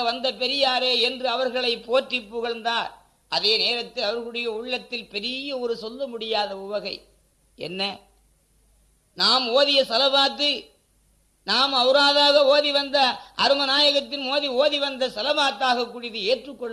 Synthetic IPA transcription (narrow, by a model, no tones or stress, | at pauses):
ɐʋɐnd̪ɐpɛɾɪjaːɾeːɛndrɯɐʋɐɾɣɐɭɐɪpːoːʈrɪpːɯɣɐɭnd̪aːɾ | ʔɐðeːneːɾɐt̪ːɪlɐʋɐɾɣɐɭɯɽɐjɐʊɭːɐt̪ːɪlpɛɾɪjɐɔɾɯsɔlːɐmʊɽɪjaːðɐʊʋɐɣɐɪ | ɛ̰nːɐ | naːmoːðɪjɐsɐlɐbaːt̪ːɯ | naːmɐʋɯɾaːðaːɣɐoːðiʋɐnd̪ɐʔɐɾɯmɐnaːjɐɣɐt̪ːɪnmoːðioːðiʋɐnd̪ɐsɐlɐbaːt̪ːaːɣɐkːʊrɪðɯeːʈrɯkːɔɭː